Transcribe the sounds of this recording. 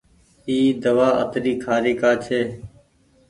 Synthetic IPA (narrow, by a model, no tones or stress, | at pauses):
iːd̪əʋaːʔə̰t̪ɾiːkʰaːɾiːkaːt͡ʃʰeː